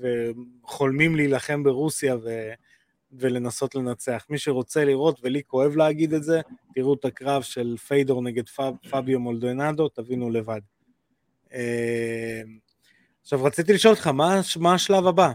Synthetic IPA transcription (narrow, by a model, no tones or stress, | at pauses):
veχo̞lmimliːlaχe̞mbe̞ʁusijave | ve̞le̞naso̞t̪le̞nat͡se̞aχmiʃe̞ʁo̞t͡se̞liʁo̞t̪ve̞liko̞e̞vleːɡid̪etze̞tiʁut̪akʁavʃe̞lfejdo̞ʁne̞ɡe̞d̪ffabjomo̞ld̪onado̞t̪avinule̞vad̪ | e | m | aχʃavʁat͡sit̪̬iliʃo̞ltχamaʃmaːʃlavaba